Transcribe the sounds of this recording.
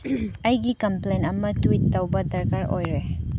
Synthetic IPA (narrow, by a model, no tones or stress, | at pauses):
ɐjɡikɐmplejnɐmɐtuitːɐwbɐdɐɾkaɾojɾe